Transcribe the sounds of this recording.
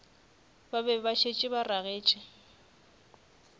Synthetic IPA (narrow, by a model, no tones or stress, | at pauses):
babɛbaʃʰet͡ʃʼɪbaraɣeːt͡ʃʼɪ